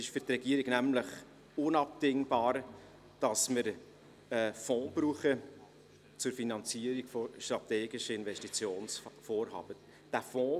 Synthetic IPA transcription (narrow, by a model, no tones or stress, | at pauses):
ɪʃfʏɾt̪rɛɡiəɾiɡnæmləχ | ʊnɑp̚tɪŋbɑːɾ | d̥ɑsməɾ | ɛfɔ̃ːb̥ɾuːχə | t͡sʊɾfinɑnt͡siəɾiɡ̥fɔʃtɾɑteːɡɪʃəɪnvɛstit͡sjoːnsfoːɾɦɑ̰ːb̥ə | d̥æfɔ̃ː